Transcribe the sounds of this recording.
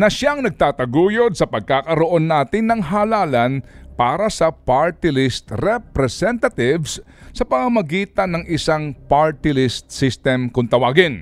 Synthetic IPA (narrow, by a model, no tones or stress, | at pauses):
nɐʃaŋnɐɡ̚t̪aːt̪ɐɡuːjod̪̚sɐpɐɡ̚kaːkɐɾoʔo̞nːaːt̪ɪnːɐŋɦaːlaːlɐnpaːɾɐsɐpaɹt̪ɪlɪst̪ɾɛpɾɛsɛnt̪ɐt̪ɪvsː | ɐpɐmɐmɐɡiːt̪ɐnɐŋʔɪsaŋpaɹt̪ɪlɪst̪̚sɪst̪ɛmkʊnt̪ɐwaːɡɪn